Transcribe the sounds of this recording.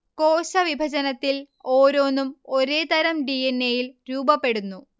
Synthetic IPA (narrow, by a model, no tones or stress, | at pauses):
ko̞ːɕɐʋibʱɐd͡ʑɐnɐt̪ːil | oːɾo̞ːnːumo̞ɾe̞ːt̪ɐɾɐmɖienːejilɾuːbɐpːe̞ɽunːu